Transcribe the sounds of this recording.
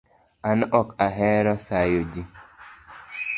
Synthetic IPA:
anʔɔkaɦɛɾɔsajod͡ʒi

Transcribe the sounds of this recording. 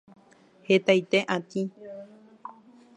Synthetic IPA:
het̪ajt̪eʔat̪i

